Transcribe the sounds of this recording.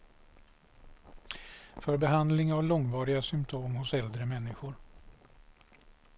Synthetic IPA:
fœɾbɛɦand̪lɪŋavlɔŋvɑːɾɪɡasʏmpt̪ʰoːmhʊsɛld̪ɾəmɛnːɪɧʊɾ

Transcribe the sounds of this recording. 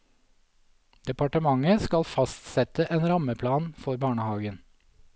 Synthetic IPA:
d̪̥ɛpɑʈəmɑŋəskɑlfɑst̪sɛt̪əʔeːnɾɑməpʰlɑːnfɔɾbɑːɳəhɑːɡən

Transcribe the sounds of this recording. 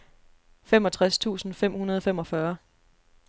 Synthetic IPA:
femɒ̽t͡sʰʁast͡sʰṵːsn̩fem̰hunɐð̞ˠɒfem̰ɒ̽fɶɐ

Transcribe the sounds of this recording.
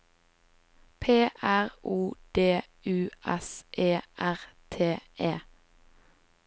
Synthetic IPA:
pʰeːʔæʁuːd̪̥eː | ʉːʔɛsʔeːʔæʁt̪ʰeːʔeː

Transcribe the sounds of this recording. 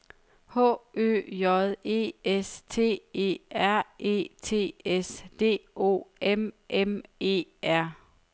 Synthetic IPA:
hɔ̰̽ːø̰jɒðˠe̝̰ːest͡sʰe̝̰ːe̝̰ːæɐ̰e̝̰ːt͡sʰe̝̰ːesd̥e̝̰ːo̝̰ːemʔeme̝̰ːæɐ̰

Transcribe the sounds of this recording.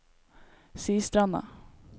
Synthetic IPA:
siːst̪ɾanːa̰

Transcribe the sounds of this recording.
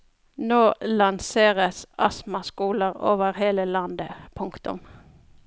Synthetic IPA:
noːlɑnseːʁəsʔɑsmɑskuːləʁoːʋəʁheːləlɑnd̪əpʰʊŋkt̪ʊ̰m

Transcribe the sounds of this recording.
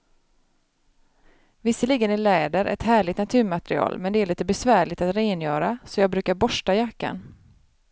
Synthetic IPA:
vɪsːəliːɡənɪlɛːd̪əɾʔɛ̰t̪hæːɭɪɡt̪nat̪ʰʉ̟ːɾmat̪ɾɪɑ̰ːlmɛnd̪ɛæɾɭiːt̪əbɛsvæːɭɪɡt̪at̪ɾeːnjœːɾasɔjɑːɡ̚bɾʉ̟ːkaɾbɔʂʈajakːa̰n

